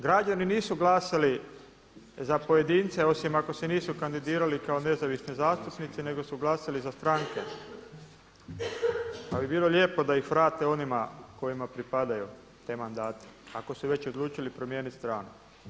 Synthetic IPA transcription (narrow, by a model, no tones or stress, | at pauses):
ɡɾad͡ʒaniniːsuɡlaːsali | zapo̞je̞d̪iːnt̪se̞o̞simako̞seniːsukand̪id̪iːɾalikao̞ne̞zaʋisnizaːst̪upnit̪sine̞ɡo̞suɡlaːsalizast̪ɾaŋke̞ | pabibiːlˠoʎʲe̞ːpo̞d̪aixʋɾaːt̪eo̞nimako̞jimapɾipad̪aju | t̪e̞ːmand̪aːt̪e̥ako̞suʋe̞t͡ɕo̞d̪luːt͡ʃilipɾo̞mje̞ːnit̪st̪ɾaːnu